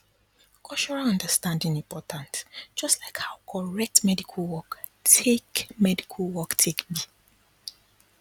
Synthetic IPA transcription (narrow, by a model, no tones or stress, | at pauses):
kʰɔt͡ʃɔɹalɔ̃ndəstãndĩŋĩmpʰɔtʰãntd͡ʒ̥ɔstlaɪkhaʊkʰɔɹɛk̚tmɛdikʰalwɔk | tʰekmɛdikʰalwɔktʰekbi